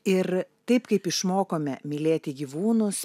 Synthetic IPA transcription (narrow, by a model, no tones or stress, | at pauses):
ɪɾt̪ɐɪpkɐɪpɪʃmoːkoːmʲɛmʲɪlʲeːt̪ʲɪɡʲiːʋuːnʊs